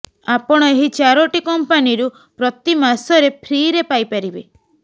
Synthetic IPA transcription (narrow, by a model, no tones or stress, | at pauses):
apɔɽ̃ɔeɦit͡ʃaɾoʈikɔmpaniɾu | pɾɔt̪imasɔɾepʰɾiɾepajpaɾibe